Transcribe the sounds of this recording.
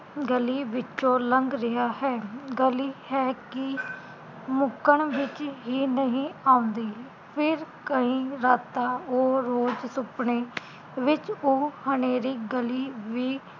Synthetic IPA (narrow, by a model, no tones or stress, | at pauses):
ɡəliːʋɪt͡ʃːõːləŋɡɾɪɦaːhɛːɡəliːhɛːkɪ | mʊkəɳʋɪt͡ʃɦiːnəɦĩːaːʊ̃nd̪iː | pʰɪɾkəĩːɾaːt̪aːoːɾoːd͡ʒsʊpɳeː | ʋɪt͡ʃoːhəneːɾiːɡəliːʋiː